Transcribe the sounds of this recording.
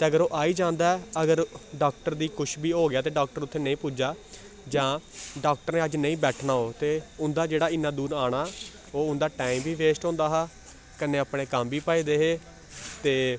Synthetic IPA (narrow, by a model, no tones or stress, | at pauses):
t̪eːəɡəɾoːʔaːiːd͡ʒãːnd̪aːɛːəɡəɾɖaːk̚ʈəɾd̪iːkʊt͡ʃʰbiːɦoːɡɪjaːt̪̬eːɖaːkʈəɾʊt̪ʰːeːnəĩːpuːd͡ʒaː | d͡ʒãːɖaːk̚ʈəɾnẽːəd͡ʒnəĩːbɛːʈʰnaːoːt̪eːʊnd̪aːd͡ʒeːɽaːɪnːãːd̪uːɾaːɽ̃aː | oːʊnd̪aːʈaːimbiːʋeːsʈɦõːnd̪aːɦaː | kəneːapɽeːkəmbʱiːpaːiːd̪eːɦeː | t̪eː